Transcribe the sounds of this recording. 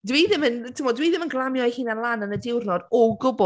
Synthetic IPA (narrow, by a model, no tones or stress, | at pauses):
dwiːðɪməntʰɪmɔdwiːðɪmənɡlˠamjɔjhiːnanlˠanənədɪwrnɔdɔɡʊbʊ